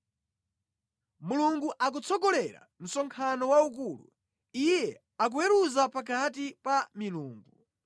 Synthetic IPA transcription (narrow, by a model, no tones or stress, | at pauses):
muluŋɡuʔak̬ut͡sʰɔkɔlɛɾa̰m̩sɔŋkʰanɔwauk̬uːlṵ | ijjɛ | ak̬uwɛɾuzapakʰat̬ipamiluːŋɡu